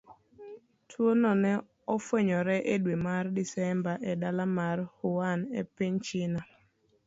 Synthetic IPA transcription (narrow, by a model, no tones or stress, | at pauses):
tʰwonɔnɛ | ɔfweɲɔɾɛʔedwemardisɛmbaʔɛdalamarhʊwanepiɲt͡ʃɪna